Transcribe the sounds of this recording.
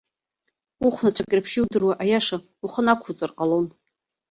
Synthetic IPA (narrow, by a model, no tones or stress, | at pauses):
uχʷnat͡ʃʷʰakʲʼrapʰʃiwdɨrwaʔajaʂa | uχənakʷʰut͡sʼɨrqʼalo̞n